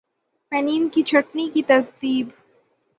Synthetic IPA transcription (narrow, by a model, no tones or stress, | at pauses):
mɛniːnkit͡ʃʰɐʈnikit̪ɐɾt̪iːb